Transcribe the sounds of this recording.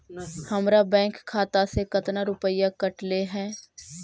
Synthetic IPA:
hɐmɾabɛ̃ːŋkʰːaːt̪asekɐt̪naɾʊpəjakɐʈleɦɛ̃ː

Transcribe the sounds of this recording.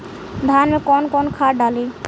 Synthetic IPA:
d̪ʱaːnmekɔnkɔnkʰaːɖale

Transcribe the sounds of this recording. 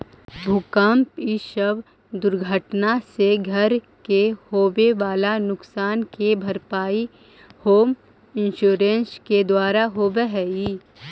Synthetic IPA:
bʱʊkəmpiʃəb | d̪ʊɾɡʱəʈnaseɡʱəɾ | kehoːbeʋaːlanʊksaːnkebʱɐɾpaːi | hoːm | ɪ̃nʃuːɾẽːnsked̪waːɾaɦoːbeɦɛiː

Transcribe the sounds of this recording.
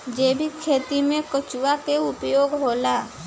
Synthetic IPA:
d͡ʒeːbʱikʰeːt̪imẽkət͡ʃuwakeʊpjoːɡɦoːla

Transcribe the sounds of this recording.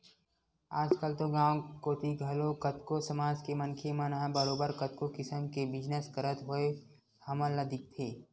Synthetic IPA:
aːd͡ʒkəlt̪oɡãːwkoːt̪iɡʱɐlokɐt̪kosɐmaːd͡ʒkemɐnkʰemɐ̃nəɦbəɾoːbəɾkɐt̪̚kokɪsəmkebɪd͡ʒnəskəɾət̪ɦoe | hɐmə̃ləd̪ʱɪk̚t̪ʰeː

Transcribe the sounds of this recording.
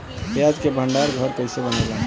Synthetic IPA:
pjad͡ʒkebʱəɳɖaɾɡʱəɾkəɦɪsebənad͡ʒa

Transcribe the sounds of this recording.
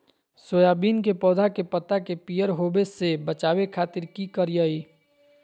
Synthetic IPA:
soːjaːbiːnkepɔːd̪ʱakepət̪akepijəɾɦoːbesebət͡ʃaːwekʰaːt̪ɪɾkikəɾijəiː

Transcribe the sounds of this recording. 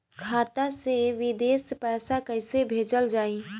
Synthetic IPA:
kʰaːt̪aseʋɪd̪eːspɛːsakəɪsebʱeːd͡ʒəld͡ʒaːi

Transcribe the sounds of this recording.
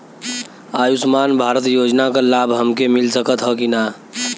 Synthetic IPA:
aːjʊsmaːnbʱaːɾət̪joːd͡ʒnakalaːbʱɦəmkemɪlsəkət̪ɦɔkinaː

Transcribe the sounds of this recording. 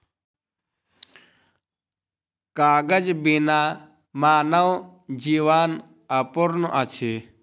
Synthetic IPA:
kaːɡəd͡ʒbinaː | maːnɐw | d͡ʒiʋaːn | ɐpuɾnʔɐt͡ʃʰi

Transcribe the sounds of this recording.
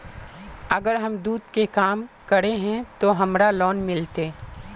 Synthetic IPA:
ɐɡəɾɦɐmd̪uːd̪kekaːmkɐɾeɦɛ̃t̪oɦɐmɾalɔːnmɪlt̪eː

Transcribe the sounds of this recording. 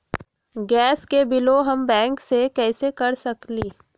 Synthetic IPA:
ɡɛːskebɪloɦɐmbɛ̃ːŋksekɛːsekɐɾsɐkliː

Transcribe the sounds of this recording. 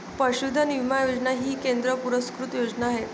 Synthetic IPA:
pəɕud̪ʱːənimajod͡znaɦiːkend̪ɾəpuɾəskɾut̪jod͡znaːɦe

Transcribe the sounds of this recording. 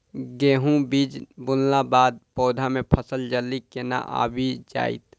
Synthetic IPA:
ɡeːɦũbiːd͡ʒbʊllabaːd̪̚pɔːd̪ʱamẽpʰəsəld͡ʒəlːikena̰ʔa̰ːbʱid͡ʒa̰ːɪ̰t̪

